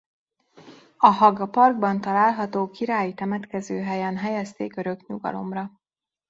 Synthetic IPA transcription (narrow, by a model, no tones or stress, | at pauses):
ɒɦɒɡɒpɒrɡ̚bɒnt̪ɒlaːlɦɒt̪oːkiɾaːjit̪ɛmɛt̪kɛzøːɦɛjɛnɦɛjɛst̪ḛːkøɾø̞kɲuɡɒ̰lo̞̰mrɒ